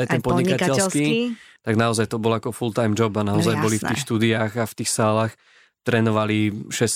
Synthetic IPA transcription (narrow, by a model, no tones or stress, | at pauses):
ajt̪ɛnpɔdɲikakɛt͡ɕslskit̪aɡnaɔzajt̪ɔbɔlakɔfult̪ajmd͡ʒɔbanaɔzajbɔlift̪iːxʃt̪uːd̪iaːɣaft̪iːxsaːlaːx | t̪ɾɛːnɔʋaliʃɛs